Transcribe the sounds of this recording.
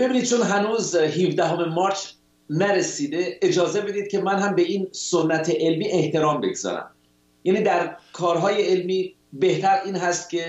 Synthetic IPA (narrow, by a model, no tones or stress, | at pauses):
b̥ebiːniːd̪̚t͡ʃʰonɦænuːzɦiːvd̪æɦome̞mɒːɾt͡ʃʰ | næɾesiːd̪e̞ed͡ʒɒːze̞be̞d̪iːd̪̚cʰʲe̞mænɦæmbeiːnsonːæt̪ʰeʔelmiːʔe̞ht̪e̞ɾɒːmbe̞̰ɡzɒ̰ːɾæ̰m | jæːniːd̪æɾkʰɒːɾɦɒːje̞elmiː | be̞ht̪æɾiːnɦæst̪̚cʰe̞